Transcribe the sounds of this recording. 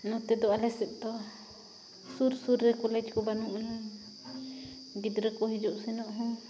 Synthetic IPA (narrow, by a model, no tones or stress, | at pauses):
nɔt̪ɛd̪ɔalɛsɛp̚t̪ɔ | suɾsuɾːɛkɔlɛd͡ʒkɔbanuʔnɛ | ɡid̪ɾəkɔɦid͡ʒɔʔsɛnɔʔɦɔ̃